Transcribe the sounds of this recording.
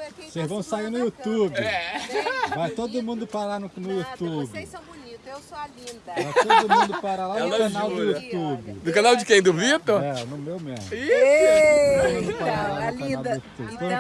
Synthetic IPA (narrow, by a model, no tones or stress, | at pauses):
sezvɐ̃w̃sainʊut̪ubɪ | vajt̪od̪ʊmũnd̪ʊpaɾlanʊnʊut̪ubɪsobunit̪slivajt̪od̪ʊmũnd̪ʊpaɾalanʊkanawd̪ʊut̪ubɪnʊkanawd͡ʒɪkẽj̃d̪ʊvit̪oɾɛnʊmewmemʊi | od̪mũd̪ʊpaɾalanʊkanawd̪ʊjut̪ubk̪ẽ